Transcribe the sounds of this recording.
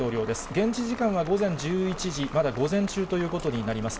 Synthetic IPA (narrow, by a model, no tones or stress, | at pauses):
o̞ːɾʲjo̞ːd̪e̞ɨ̥ɡẽ̞ɲ̟t͡ɕiʑikãɰ̃β̞aɡo̞zẽ̞ɲ̟d͡ʑɨːit͡ɕiʑimad̪aɡo̞zẽ̞ɲt͡ɕɨːt̪o̞jɯ̟ːko̞t̪o̞ɲ̟inaɾʲimasɨ̥